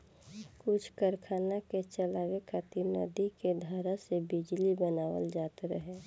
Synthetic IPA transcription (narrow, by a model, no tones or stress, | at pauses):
kʊt͡ʃʰkəɾkʰaːnaket͡ʃəlaːʋekat̪inə̰d̪iked̪ʱaɾasebɪd͡ʒlibənaːwə̰ld͡ʒaːt̪ɾəɦɛː